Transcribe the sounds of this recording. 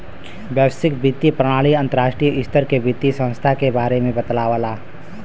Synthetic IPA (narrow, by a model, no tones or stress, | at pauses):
bjəʋsɪkbɪt̪ːipɾəɽ̃aːɭiə̃nt̪əɾaːʃʈɾijəʔɪst̪əɾkebit̪ːisə̃w̃st̪ʰakebaːɾemẽbət̪laːʋəlaː